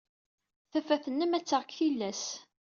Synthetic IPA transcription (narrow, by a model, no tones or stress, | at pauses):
θæfæθənːəmæt͡sːəʁkθilːæs